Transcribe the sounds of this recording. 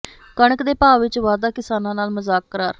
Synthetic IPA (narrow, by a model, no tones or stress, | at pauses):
kəɳəkd̪eːpaːʋɪt͡ʃʋaːd̪aːkɪsaːnãːnaːlmʊzaːkɾaːɾ